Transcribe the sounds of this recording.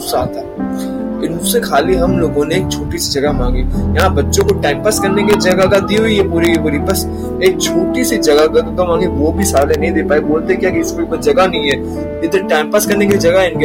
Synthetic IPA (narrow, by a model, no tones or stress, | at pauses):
saat̪a | ɪnusexʰaːliɦɐmloːɡõneeːk̚t͡ʃʰoːʈisid͡ʒɐɡamãːŋɡijɐɦãbɐtːʃõkoʈɛ̃ːmpəskɐɾnekelid͡ʒɐɡakad̪iɦoijepuːɾikibɐɽibɐs | eːk̚t͡ʃʰoːʈisid͡ʒɐɡakaɡamãːŋɡiʋobʱisaːlenɐɦĩd̪eːpaːiboːlt̪eɛkjaːkeɪspɐɾipɐd͡ʒɐɡanɐɦĩɦɛː | ɪd̪əɾʈɛ̃ːmpəskɐɾnekelid͡ʒɐɡaɦɪnke